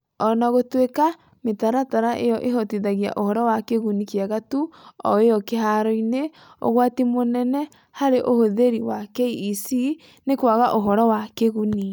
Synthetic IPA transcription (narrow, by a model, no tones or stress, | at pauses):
ɔnaɣotweka | metaɾataɾaʔejɔʔeɦɔtiðaɣja̰ʔohɔɾɔwakeɣunikjaɣatuɔ̰ejɔkeɦaɾɔine | o̰ɣwatimonɛnɛ | haɾeʔohoðeɾiwakɛiːsi | nekwaɣaʔoɦɔɾɔwakeɣuni